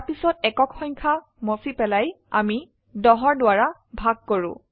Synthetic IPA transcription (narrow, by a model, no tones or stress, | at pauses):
pisɔtɛkɔkʰxɔɲkʰa | mosipɛlaj | a̰mi | dɔɦɔɹdʊaɹabʱaɡ̚koɹʊ̰̃